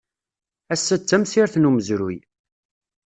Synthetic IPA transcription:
æsːæt͡sːæmsiɾθnuməzɾuj

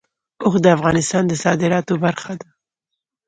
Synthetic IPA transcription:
oxd̪əafɣɑnɪst̪ɑnd̪əsɑd̪ɪɾɑt̪obaɾxad̪a

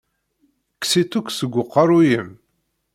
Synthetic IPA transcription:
kːsit̪ːukʷsəɡʷːʊqːɑɾˤujəm

